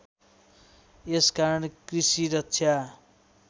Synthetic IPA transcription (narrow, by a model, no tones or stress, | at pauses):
eskaɾʌnkrisiɾʌtsʰja